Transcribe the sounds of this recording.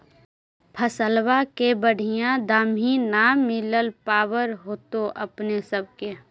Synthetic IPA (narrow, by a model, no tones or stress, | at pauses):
pʰəsəlwakebəɽ̤ʱiɪjãd̪aːminamɪləlpaːwəɾɦoːt̪oʔɐpnesəb̚ke